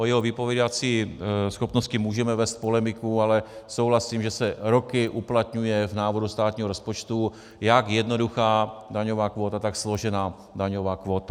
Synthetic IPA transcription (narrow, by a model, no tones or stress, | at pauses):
ʔojɛɦovɪpovjɛdat͡siːsxo̞pnoscɪmuːʒɛmɛvɛːst̪̚polɛmɪkualɛsowɦlasiːmʒɛsɛɾokɪʔuplat̪ɲujɛvnaːvoɾust̪aːt̪ɲiːɦoɾospot͡ʃt̪u | jaɡjɛdnoduxaːdaɲovaːkʋo̞ːt̪at̪aksloʒɛnaː | daɲovaːkʋo̞ːt̪a